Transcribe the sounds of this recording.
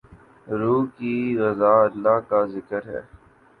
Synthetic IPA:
ɾuːkiɣɐzaːɐlːaːɦkazɪkəɾɦɛ̰ː

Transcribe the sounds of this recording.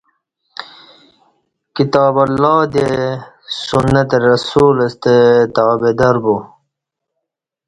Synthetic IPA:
kit̪ɑːbɐlːɑːd̪e | sunːɐt̪eɾɐsuːlɐst̪et̪ɑːbed̪ɐɾbu

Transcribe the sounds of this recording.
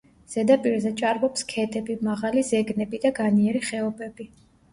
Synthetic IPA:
z̥ɛd̪apʼiɾzɛt͡ʃʼaɾbɔpskʰɛt̪ʼɛbimaʁalizɛɡnɛbid̪aɡaniɛɾiχɛɔbɛbi

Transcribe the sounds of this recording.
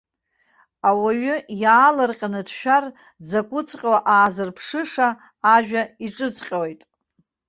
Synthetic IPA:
awaɥʏjaːlarqʲʼanɨdʃᶣar | d͡zakʷʼʊt͡sʰʼqʲʼwaʔaːzɨrpʰʂɨʂaː | ʒᶣaiʈ͡ʂʼɨt͡sʰʼqʲʼawejtʼ

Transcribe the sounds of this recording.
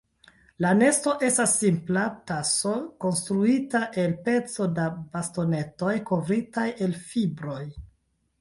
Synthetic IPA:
lane̞sto̞ʔe̞stasːimplataso̞ko̞nstɾuitaʔe̞lpe̞t͡so̞dabasto̞ne̞to̞jko̞vɾitaje̞lfibɾo̞j

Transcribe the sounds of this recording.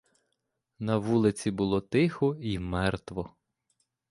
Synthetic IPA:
nɐʋulˠɪt͡sʲibʊlˠɔt̪ɪxɔimɛrt̪ʋɔ

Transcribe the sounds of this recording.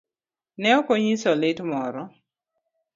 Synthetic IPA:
nɛɔkoɲisɔlɪtmɔɾɔ

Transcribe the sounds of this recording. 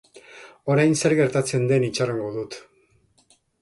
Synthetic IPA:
oɾajnseɾɣeɾt̪at͡se̞nd̪enit͡ʃaraŋɡod̪ut̪

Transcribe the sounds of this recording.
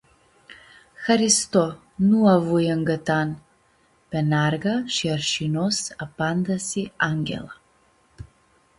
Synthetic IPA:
xɐɾist̪ɔ | nuavujɐŋɡɐt̪an | pɛnaɾɡaʃiaɾʃinɔsapand̪ɐsiaŋɡʲɛ̰lˠa

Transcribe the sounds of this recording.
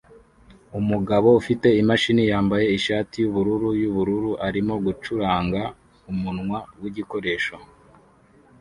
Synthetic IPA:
umuɡaβo̞ufite̞imaʃinijaːmbaje̞iʃaːtijuβuɾuɾujuβuɾuɾuʔaɾimo̞ɡut͡ʃuɾaːŋɡa | umunŋwawiɟiko̞ɾe̞ːʃo

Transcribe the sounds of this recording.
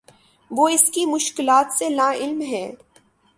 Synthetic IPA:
ʋoːɪskimʊʃkɪlaːt̪senaɪlmɦɛ̃ː

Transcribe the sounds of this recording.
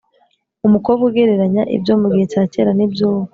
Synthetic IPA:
umukobɡeɡeɾe̞ɾaɲaʔḭbɟoːmuɡihe̞t͡ʃaːce̞ːɾanibjoːβa

